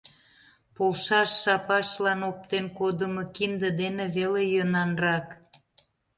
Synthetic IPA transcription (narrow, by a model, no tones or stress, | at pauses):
polʃɑʃːɑpɑʃlɑnop̚t̪enkod̪əmokind̪ə̆d̪eneβelejønɑnrɑk